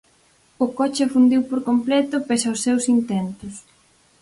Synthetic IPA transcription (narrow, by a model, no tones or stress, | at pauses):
ʊkɔt͡ʃɐfund̪iwpoɾkomplɛt̪ʊpesɐʊsːewsint̪ɛnt̪ʊs